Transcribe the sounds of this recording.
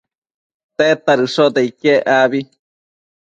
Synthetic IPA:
t̪et̪aɾɨsod̪eikeʔaβi

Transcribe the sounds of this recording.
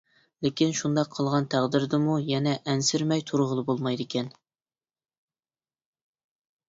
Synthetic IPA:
lɪkʲinʃund̪ɑqʰːəlˠʁɑnt̪ʰæʁd̪ɪɾd̪ɪmujɛnɛʔɛnsɪɾmɛjt̪ʰuɾʁəlˠɨbolˠmɑjd̪ɪkʲʰɛn

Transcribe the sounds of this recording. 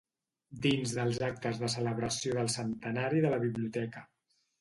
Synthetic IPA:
d̪inzðəlˠzak̚t̪əzðəsələβɾəsioðəlˠsənt̪ənaɾiðələβiβliut̪ɛkə

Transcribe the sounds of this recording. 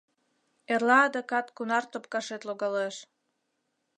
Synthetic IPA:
erlɑːd̪əkɑt̪kunɑrt̪op̚kɑʃet̪loɣɑleʃ

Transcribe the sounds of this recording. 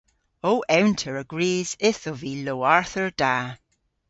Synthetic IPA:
oːʔɛwntʰəɹəɡ̥ɹiːz̥ɪθoviːloːaɹθəɹd̥a

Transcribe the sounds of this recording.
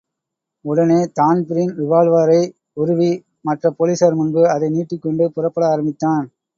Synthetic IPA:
ʊɽɐneːt̪aːnpɪɾɪnʋɪʋaːlʋaːɾɐɪ | ʊɾʊʋi | mɐʈrɐpoːliːsɐɾmʊnbɯɐðɐɪniːʈːɪkːɔɳɖɯpʊrɐpːɐɽɐaːɾɐmbɪt̪ːaːn

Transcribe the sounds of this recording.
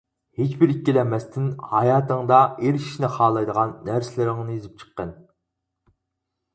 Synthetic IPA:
het͡ʃbɪɾikʲːilɛmɛst̪ʰɪnhɑjɑːt̪əŋd̪ɑeɾi̥ʃnɪχɑːlˠɑjd̪əʁɑnːæɾsɪlɪɾɪŋnɨjizɪp̚t͡ʃʰə̥qːən

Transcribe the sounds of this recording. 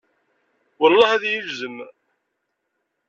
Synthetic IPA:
wəlːɑhæðjivzəm

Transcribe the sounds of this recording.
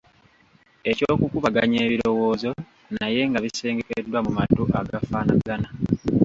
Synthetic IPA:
e̞coːkukuβaɡaɲe̞ːβiɾo̞wo̞ːzo̞ | naje̞ŋɡaβise̞ːŋɡe̞kedːwamumatːuʔaɡafaːnaɡana

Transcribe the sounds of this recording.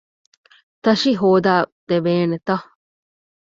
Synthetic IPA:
t̪ɐʃiɦoːd̪aːd̪̥ebeːnet̪ɐ

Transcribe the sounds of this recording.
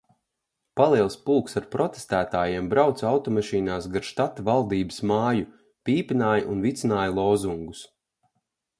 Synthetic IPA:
palˠiɛlˠspulˠksaɾpɾɔt̪e̥st̪æːt̪aːjeɛmbɾawt̪sawt̪ɔmaʃiːnaːsɡaɾʃt̪at̪avalˠd̪iːbəsmaːju | pʲiːpʲinaːjʔunvit̪sinaːjlˠɔːzuŋɡus

